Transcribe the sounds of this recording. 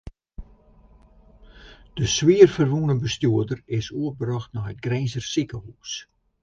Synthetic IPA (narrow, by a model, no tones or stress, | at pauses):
d̥əswiərfərʋunəbəstjuədərɪsuəbərɑxtnaɦət̚ɡrɛjnzərsikəɦuːs